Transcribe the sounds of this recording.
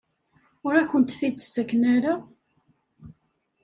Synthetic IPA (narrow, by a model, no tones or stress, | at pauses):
ʊɾæçənt̪θit͡sːə̥sːækːnæɾa